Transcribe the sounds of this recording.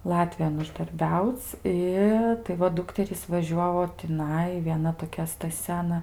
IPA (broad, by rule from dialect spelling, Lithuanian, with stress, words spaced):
ˈlˠɑːtʲʋʲɪjoːn ʊʒdɐrʲˈbʲɛʊt͡sʲ ˈɪ tɐɪ ˈʋɐ ˈdʊktʲɛrʲiːs ʋɐˈʒʲuɔʋoː tʲɪˈnɐɪ ʋʲiɛˈnɐ toːˈkʲɛ stɐˈsʲɛ ɐˈnɐ